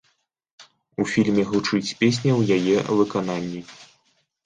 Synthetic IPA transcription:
ufʲilʲmʲɛɣut͡ʂɨt͡sʲpʲes̬ʲnʲɐwjajɛvɨkananʲːi

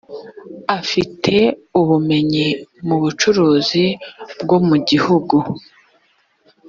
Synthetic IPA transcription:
afitʰe̞uβume̞ɲimuβut͡ʃuɾuːzibɡo̞muɟihuɡu

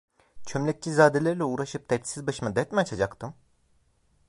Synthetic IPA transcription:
t͡ʃʰømlʲɛc̚t͡ʃʰizaːd̪elʲæɾilʲɛuːɾaʃɯp̚d̪ɛt̪sizbaʃɯmad̪ɛt̪mɛat͡ʃʰad͡ʒakt̪ʰɯm

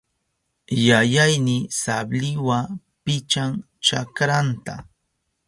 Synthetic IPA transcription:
jajajnɪsablɪwa | pɪt͡ʃaŋ | t͡ʃakɾant̪a̰

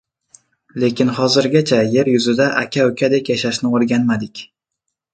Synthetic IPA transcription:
le̞kʲɪnhɒzɪɾɡʲat͡ʃʰaje̞ɾjʊzɪd̪aʔakʲʰaʊkʲʰad̪e̞kʲjaʃaʃnɪoɾɡʲanmad̪ɪkʲ

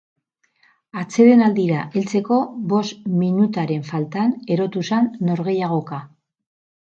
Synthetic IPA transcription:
at͡se̞ðe̞nald̪iɾaʔe̞lt͡se̞ko̞βo̞sminut̪aɾe̞ɱfalt̪ane̞ɾo̞t̪usanːo̞ɾɣe̞jaɣ̞o̞ka

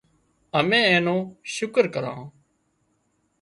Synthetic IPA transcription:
əmẽːẽːnõːʃʊkəɾkəɾã̰ː

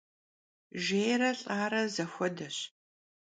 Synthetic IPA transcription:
ʒeːjɾɐɬʼaːɾɐzɐxʷɔdɐɕ

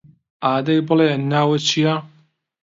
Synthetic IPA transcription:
aːd̪ɐjbɨlenːaːwɐt͡ʃʰija

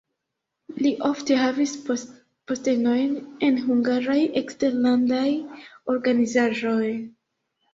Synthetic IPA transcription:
liʔofte̞ɦavis | poste̞no̞jne̞nɦuŋɡaɾaje̞kste̞ɾlandajo̞ɾɡanizaʒo̞j

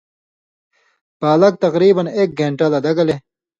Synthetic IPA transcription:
paːlɐk̚t̪ɐqɾiːbɐneːk̚ɡeːɳʈalad̪ɐɡɐle

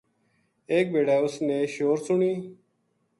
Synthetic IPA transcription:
eːk̚beːɽaːʊsneːʃoːɾsʊɳiː

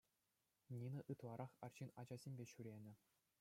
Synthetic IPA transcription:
nʲinɤ̆ʔɯt̪lˠɑɾʔɑχɑ̰rɕinɑd͡ʑɑzʲemʲbʲeɕyɾʲenʲɘ̆

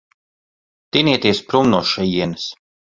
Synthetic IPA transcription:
t̪iniɛt̪iɛspɾumnuɔʃɛjiɛnɨs

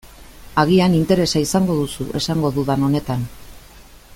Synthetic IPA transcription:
aɣ̞ianint̪e̞ɾe̞saisaŋɡo̞ðusuʔe̞saŋɡo̞ðuðano̞ne̞t̪an

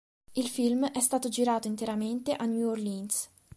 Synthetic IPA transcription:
ilfilmɛst̪aːt̪od͡ʒiɾaːt̪oint̪eɾament̪eʔanjuorlins

